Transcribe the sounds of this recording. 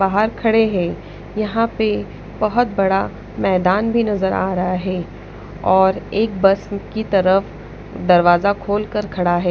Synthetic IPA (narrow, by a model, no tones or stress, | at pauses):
baːɦəɾkʰɐɽeɦɛ̃ː | jɐɦãpe | bɐɦʊt̪̚bɐɽa | mɛːd̪aːnbʱinɐzəɾa̰ːɾɐɦaɦɛː | ɔːɾeːk̚bɐsnkit̪ɐɾəf | d̪ɐɾʋaːzakʰoːlkəɾkʰɐɽaɦɛː